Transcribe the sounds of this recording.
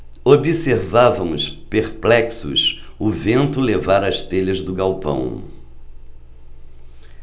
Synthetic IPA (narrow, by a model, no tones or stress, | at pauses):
obiseɾvavɐ̃w̃ʊspeɾplɛksʊ̰sʊvẽnt̪ʊlevaɾɐst̪eʎɐzd̪ʊɡawpɐ̰̃w̃